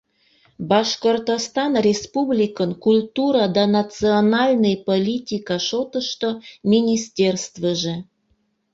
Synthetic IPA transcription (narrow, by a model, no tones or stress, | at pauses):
baʃkort̪ost̪anrʲespublʲikənkulʲt̪uɾad̪anat̪t͡sɨonalʲnɨjpolʲitʲikaʃot̪əʃt̪omʲinʲisʲtʲerst̪vəʒe